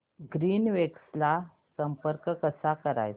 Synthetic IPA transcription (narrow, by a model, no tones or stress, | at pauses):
ɡɾiːnʋeksla | səmpəɾkkəsakəɾa̰j